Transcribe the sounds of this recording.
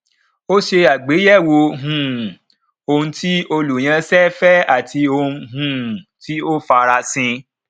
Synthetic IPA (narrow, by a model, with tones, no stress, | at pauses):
o˦ʃe˧a˨ɡ͡be˨˦jɛ˦˨wo˧ɦũ˨ | o˧ũ˧˦ti˦o˧lu˨j̃ã˧sɛ˦fɛ˦a˦˨tʰi˧o˧ũ˧ɦũ˨ti˦o˦fa˧ɾa˧sĩ˧